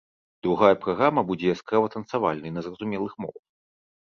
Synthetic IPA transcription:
d̪ɾuɣajɐpɾaɣɾamɐbud͡zʲɛjaskɾavɐt̪ɐnsava̰lʲnɐjnɐzrɐzumʲɛlˠɨxmɔ̰vɐ

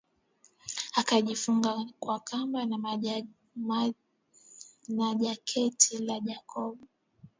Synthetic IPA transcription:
akaʄifuŋɡakwakʰamban | naʄakʰɛtʰilaʄakʰɔɓu

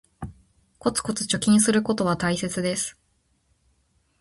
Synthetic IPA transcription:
ko̞t͡sɨ̥ko̞t͡sɨ̥t͡ɕo̞kʲĩɰ̃sɨɾɯ̟ko̞t̪o̞β̞at̪aise̞t͡sɨd̪e̞sɨ̥

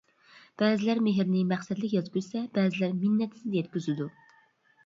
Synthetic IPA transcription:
b̥ɛːzɪlæɾmeɦɪɾnɪmæχsɛd̪lɪkʲjɑt̪kʲyzsɛbɛːzɪlæɾminːɛt̪ʰɪ̥sɪd̪ɛjɛt̪̚kʲyzɪd̪u

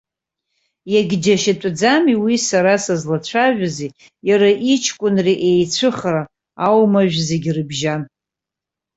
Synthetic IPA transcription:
jaɡʲd͡ʒaʃatʷʼd͡zamiwisaɾasazlat͡ɕʷʰaʒᶣazi | jaɾaʔit͡ʃʰkʷʼʊnriʔejt͡sʷʰɨχra | awmaʒᶣzeɡʲrɨbʒan

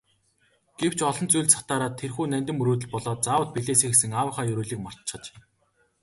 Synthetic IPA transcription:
ɡ̥ew̥t͡ɕʰɔɮɞ̆nt͡sujɮsḁt̪aːɾaːt̪ʰːerxuːnænʲt̪ɘ̆mɵɾuːt̪ɘ̆ɮpɔɮɔːt̪̚t͡saːwə̆t̪̚piɮeːseːxes̬ɘ̆ŋaːwə̆χaːjɵɾuːɮiːkmɔr̥t̪t͡ɕχə̆t͡ɕ

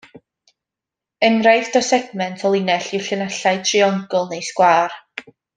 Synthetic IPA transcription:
ənrajθd̥ɔsɛɡmɛntʰɔlˠɪnɛɬɪwɬənaɬaɨtʰriɔŋɡʊlˠnejskwaːr

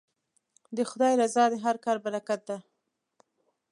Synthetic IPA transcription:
d̪əxʊd̪ɑjlazɑd̪əɦaɾkɑɾbaɾakat̪̚d̪a

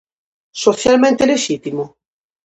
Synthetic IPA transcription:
soθjalmẽnt̪eleʃit̪imo

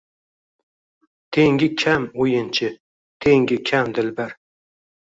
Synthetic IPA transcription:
t̪ʰeŋɡʲɪkʲʰamojɪnt͡ʃʰɪ | t̪ʰeŋɡʲɪkʲʰamd̪ɪlbaɾ

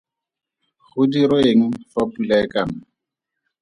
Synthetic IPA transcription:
χʊdiɾoeŋ̩fapulaɪkana

